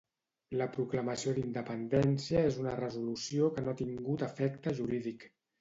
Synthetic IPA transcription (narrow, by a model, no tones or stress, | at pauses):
ləpɾukləməsiod̪ind̪əpənd̪ɛnsiəezunərəzulusiokənoat̪iŋɡut̪əfɛkt̪əʒuɾiðik